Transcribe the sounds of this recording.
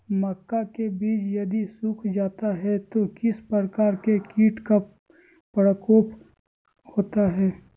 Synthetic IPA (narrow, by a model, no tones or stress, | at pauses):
mɐkːakebiːt͡ʃjɐd̪isukʰd͡ʒaːt̪aɦɛt̪okɪspɾəkaːɾkekiːʈka | pɾəkoːp | hoːt̪aɦɛː